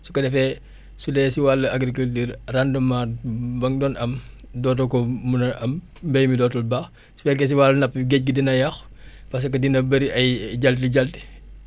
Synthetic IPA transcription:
sukɐdɛfɛ | sulɛsiwalɐaɡɾikultiːɾrandɐmabɐŋdɔːnʔɐm | dɔːt̬ɔkɔmunɐʔɐm | mbɛjmidɔːtɔlbaːx | sufɛk̬ɛs̬iwalɐnɐpːiɡɛc̚ɡidinɐjɐxpɐs̬ɐkɐdinɐbɐɾiɐjɟaltiɟɐlti̥

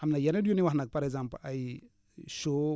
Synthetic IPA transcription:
amnajanedjuniwanak̚paɾeɡzãmpaj | ʃo

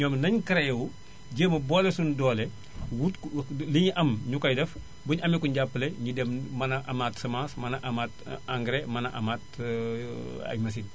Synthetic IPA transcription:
ɲɔmnɐɲkɐɾɛjɛwu | ɟəːmɐbɔlɛsundɔːlɛ | wutliɲiʔɐmɲukɐjdɛf | buɲʔɐmikuɲɟapːəlɛɲidɛmmɐnɐʔamaːtsɐmãːsmɐnɐʔɐmaːtaŋɡɾemɐnɐʔɐmaːt | ɐ̰mɐs̬iːn

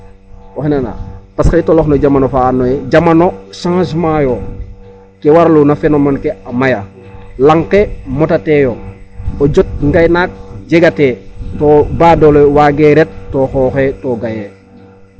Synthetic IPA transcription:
oxenana̰paskejtoloxnoɟamanofaːnːojeɟamanosãːʃmajo | kewaɾlunafenomankeamaja | laŋkemotatejooɟot̚ŋɡajnak̚ɟeɡatetobaːdolowaɡeɾet̚tːoxɔːxetoɡaje

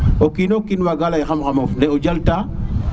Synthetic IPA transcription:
okinokinwaɡalajxamxamofneod͡ʒalta

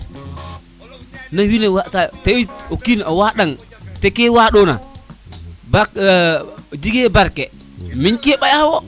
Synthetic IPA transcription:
nawinewatateokinawaɗaŋ | tekewaɗona̰ | bak | d͡ʒiɡebaɾkɛ | minkeɓajawɔ

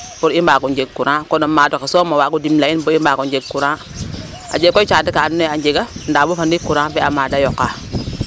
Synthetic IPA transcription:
buɾimbaɡund͡ʒeɡkːuɾãkonamadokesomawaɡudimlainbuimbaɡund͡ʒeɡkːuɾã | a̰d͡ʒekːot͡ʃadikanːad͡ʒeɡandabufandikːuɾãbeamadajokːa

